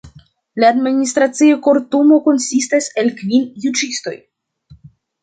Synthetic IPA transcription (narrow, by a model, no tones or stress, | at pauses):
laːdministɾat͡sioko̞ɾtumo̞ko̞nsistase̞lkvinjud͡ʒisto̞̰j